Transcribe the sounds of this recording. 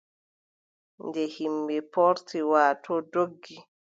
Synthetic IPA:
ndɛhimbɛpɔɾtiwaːtɔdoɡːi

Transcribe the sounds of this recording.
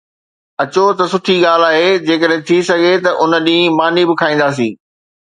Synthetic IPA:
ɐt͡ɕot̪ɐsʊʈʰiɠaːl̤aːɦed͡ʑeːkəɗɦɪ̃t̪ʰisɐɡʱet̪ɐʔʊnə̆ɗĩːmaːnibɪkʰaːĩːnd̪aːs̬ĩː

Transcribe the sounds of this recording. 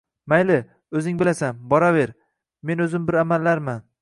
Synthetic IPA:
majlɪ | ɵzɪŋbɪlasanbɒɾave̞ɾ | me̞nɵzɪmbɪɾamalːaɾman

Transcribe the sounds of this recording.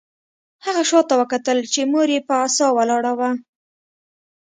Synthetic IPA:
haɣaʃɑt̪awəkat̪əlt͡ʃemoɾepəasɑwalɑɽawa

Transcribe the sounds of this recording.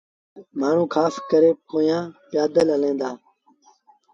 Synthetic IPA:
maːɳ̤ũːkʰaːskəɾeːkoːjãːpjaːd̪ələlẽːnd̪aː

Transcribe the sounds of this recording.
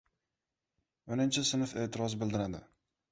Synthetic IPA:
onɪnt͡ʃʰɪsɪnɪfe̞ːʔt̪ʰɪɾɒzbɪld̪ɪɾad̪ɪ̰

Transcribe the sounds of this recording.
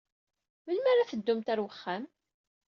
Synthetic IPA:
məlmaɾaθəd̪ːʊmt̪æɾwəχːam

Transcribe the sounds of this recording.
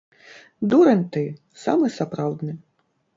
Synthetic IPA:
d̪uɾɛnʲt̪ɨ | sa̰mɨsapɾawd̪nɨ

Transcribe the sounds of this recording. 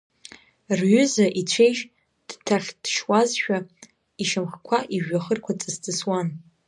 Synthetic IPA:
rɥʏzaʔit͡ɕʷʰejʒ | d̥tʰaχʲd̥ʃwazʃᶣa | iʃamχkʷʰaʔiʒᶣːaχərkʷʰat͡sʼɨstʰʼɨswan

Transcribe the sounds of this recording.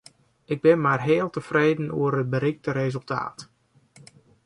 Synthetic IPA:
ɪɡ̚bɪnmarɦeːlˠtəfreːdən̩uərət̚bəɾixtəɾezəlˠtʰa̰ːt

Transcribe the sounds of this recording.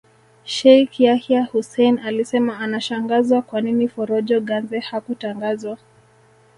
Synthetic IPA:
ʃɛjkjahjahusɛjnalisɛmaːnaʃaŋɡazwakwaninifɔɾɔʄɔɠanzɛhakutaŋɡazwa

